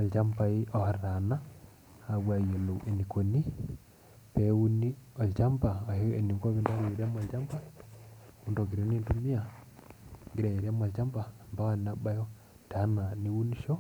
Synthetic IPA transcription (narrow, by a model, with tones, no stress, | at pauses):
a˨lt͡ʃa˦mpa˦i˦ɔ˨ha˨ɾɾa˨na˦ | a˨βwa˨jo˨lo˨e˨ni˨ko˨ni˦ | pɛ˦wu˦ni˦ɔ˨t͡ʃa˦mpa˨ɔ˨hɛ˦˨ni˨ŋɡo˦βiː˦nda˦βi˨ɾɛ˦ma˨ld͡ʒa˦mpa˦ | u˦ndo˨ɡi˨ɾe˦ni˦ntu˦mi˦a˨ | ŋɡi˨ɾa˨i˨ɾɛ˦ma˨lt͡ʃa˦mba˨mba˦ha˦na˦ba˦jɔ˦ | ta˨˦na˨ni˦wu˦ni˦ʃɔ˦